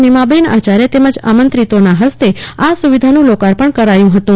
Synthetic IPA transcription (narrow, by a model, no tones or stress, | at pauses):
nimabenat͡ʃaɾjet̪eməd͡ʒa̰mənt̪ɾit̪onaɦəst̪easuʋid̪ʱanũlokaɾpəɳkəɾajũɦət̪ũ